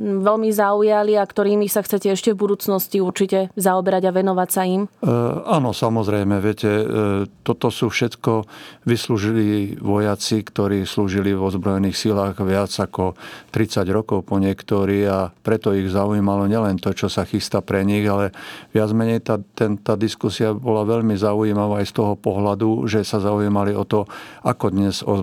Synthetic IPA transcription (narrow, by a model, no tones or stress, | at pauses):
ʋɛlmizaujaliakt̪ɔɾiːmisaxt͡sɛcɛɛʃcɛvbud̪uːt͡snɔsciuɾt͡ʃicɛzaɔbɛɾaɟaʋɛnɔʋacsaimanɔsamɔzɾɛjmɛʋɪɛcɛt̪ɔt̪ɔsuːfʃɛt̪kɔʋisluːʒiliːʋɔjat͡sikt̪ɔɾiːsluːʒiliʋɔzbɾɔjɛniːxsilaːɣʋɪad͡zakɔt̪ɾit͡saɟɾɔkɔʊpɔɲɪɛkt̪ɔɾiːɣapɾɛt̪ɔiɣzaujiːmalɔɲɛlɛnt̪ɔt͡ʃɔsaxist̪apɾɛɲiɣalɛʋɪad͡zmɛɲɛjt̪at̪ɛnt̪aːd̪iskusiabɔlaʋɛʎmizaujiːmaʋaːajst̪ɔɦɔpɔɦlad̪uʒɛsazauiːmaliɔt̪ɔakɔd̪ɲɛz̥ɔ